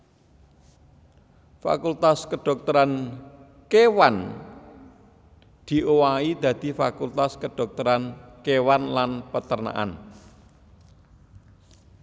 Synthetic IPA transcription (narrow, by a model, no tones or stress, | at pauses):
fa̰kult̪askəɖ̥ɔ̤k̚t̪ɔɾan | kewan | d̪̥i̤ʔowaid̪̥ä̤d̪̥i̤fakult̪askəɖ̥ɔ̤k̚t̪ɔɾankewanlanpət̪ərna̰ʔa̰n